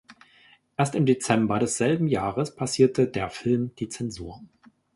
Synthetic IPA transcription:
ʔeːɐstɪmdet͡sɛmbɐɾɛsz̥ɛlbm̩jaːʁəspʰasiːɐtʰədeːɐfɪlmd̥iːt͡sɛnzuːɐ

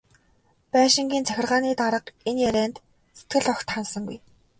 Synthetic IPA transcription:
pæːʃɪ̆ŋɡʲiːnt͡sʰæxʲɪ̆rʁaːniːt̪aɾə̆qenjæɾæːnt̪ | set̪̚ɡɘ̆ɮɔkt̪χansə̆ŋɡuj

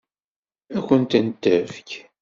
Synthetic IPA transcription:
ækʷənt̪ənt̪ːəfk

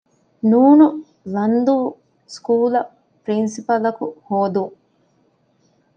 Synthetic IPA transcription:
nuːnu | lɐnd̪u | skuːlɐ | pɾinsipɐlɐkuhoːd̪uŋ

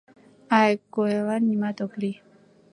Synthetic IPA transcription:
ajkoelanimat̪ɔkli

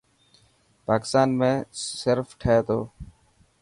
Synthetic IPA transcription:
paːkɪst̪aːnmẽːsəɾfʈʰeːt̪o̰ː

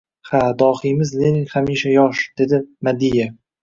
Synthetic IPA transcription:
had̪ɒːhimɪzlenɪŋhamiʃajɒʃd̪̥ed̪ɪmad̪ija

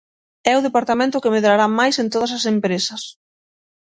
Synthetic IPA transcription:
ɛʊðepaɾt̪amẽnt̪ʊkɪmeðɾaɾamajsent̪oð̞ɐs̬ɐsempɾesɐs

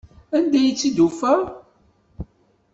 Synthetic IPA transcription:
ænd̪æjit͡sːid̪ufə

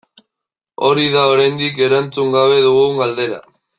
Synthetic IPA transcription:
o̞ɾiðaoɾajnd̪ike̞ɾant͡suŋɡaβe̞ðuɣuɡald̪e̞ɾa̰

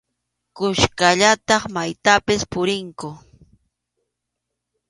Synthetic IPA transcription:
kʊʃkaʎat̪ɑχmajt̪apɪspʊɾɪŋkʊ

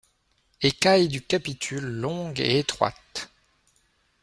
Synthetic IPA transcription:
ekajd̪ykapit̪ʰylːɔ̃ɡḛet̪χwa̰t̪

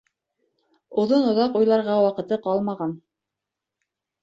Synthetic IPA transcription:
uðɤnŏðɑqujlˠɑɾʁɑwɑqɤ̆t̪ɤqɑlˠmɑʁɑn

